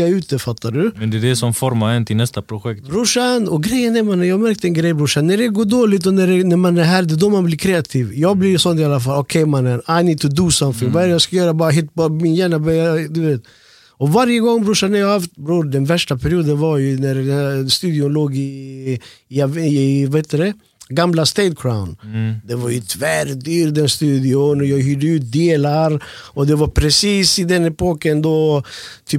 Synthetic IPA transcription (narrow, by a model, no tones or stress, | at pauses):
aʉ̟ːt̪əfat̪ʰːaɖʉmɛnd̪ɛd̪ɛsɔmfɔɾmaɛnt̪ʰɪlnɛst̪apʰɾʊɧɛk̚tb̪bɾʊʂanɔɡɾɛjːənɛɾmanɛjɑːɡmæɾk̚t̪ɛnɡɾɛjbɾʊʂanːæɖɛɡoːɖoːlɪt̪̬ɔnæɖɛnæɾmanæɾɦæːɾd̪ɛd̪ɔmanblikʰɾeːat̪ʰiːvjɑːɡblɪɾsɔnːt̪ɪalːafalɔkʰɛjmanɛnaɪnɪt̪ʰʉd̪uːsamfɪŋvaɛːɾəjɑskajœːɾabɑːɾaɦɪt̪ːbmɪnjæːɳabœad̪ɵveːt̪ | ɔvaɾjəɡɔŋbɾuʂanɛɾjɑːɡaft̪bɾuːɾd̪ɛnvæʂʈapʰɛɾɪuːd̪ənvaɾjʉnæɾd̪ɛst̪ʉːd̪ɪʊnloːɡɪ | vaheːt̪ːəd̪ɛ | ɡamlast̪ɛt̪̚kʰɾaʊnd̪ɛvaɾjʉt̪ʰvæɾd̪yːɾd̪ɛnst̪ʉːd̪ɪʊnjɑːɡɦyːɖəʉːt̪̚d̪eːlaɾɔd̪ɛvaɾpʰɾɛsiːsɪd̪ɛnɛpoːkːənd̪ot̪ʰyːp